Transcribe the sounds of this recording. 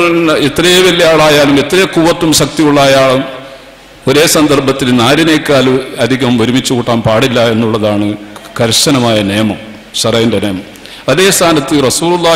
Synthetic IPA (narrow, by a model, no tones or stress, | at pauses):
nɐet̪rɐjeʋɐlːijaːɭaːjaːlume̞t̪ːrɐjɐkuːʋɐt̪ːumɕɐk̚t̪ijuɭːaːjaːɭum | o̞ɾe̞ːsɐnd̪ɐrbʱɐt̪ːilnaːɾine̞ːkːaːluɐd̪ʱiɣɐmoɾumit͡ɕːukuʈːaːnpaːɽilːɐe̞nːuɭːɐðaːɳɨɡ̥ɐɾɕɐnɐmaːjɐneːmɐm | ɕɐrɐjindene̞ːmɐm | ɐðe̞ːst̪ʰaːnɐt̪ːɨrɐsuːlulˠːaː